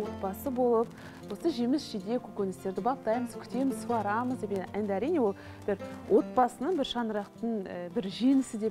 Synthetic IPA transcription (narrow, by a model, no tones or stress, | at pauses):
o̞t̪̚bɑsəbo̞lˠəp̚ | wo̞səʒe̞mɪsʒed̪e̞kʲʰɵkʲenɪst̪e̞ɾd̪ɪbɑp̚t̪ɑjməzkʲʰʏ̥t̪e̞mɪzsʰuʁɑɾɑməzd̪epeænd̪æɾijne̞wo̞lˠ | b̥ɪɾwʔo̞t̪̚bɑsənəɴbɪɾʃɑnəɾɑqt̪əɴəbɪɾʒe̞nɪsɪd̪e̞